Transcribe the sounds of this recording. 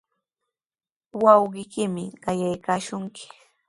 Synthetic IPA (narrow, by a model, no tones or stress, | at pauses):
wɑwɢɪkɪmɪɢɑjajkaːʃʊŋkɪ̥